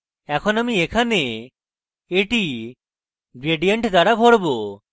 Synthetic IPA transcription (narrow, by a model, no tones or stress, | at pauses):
ɛkʰɔnamiekʰane | eʈi | ɡɾeɖijeɳʈd̪aɽabʱɔɽbo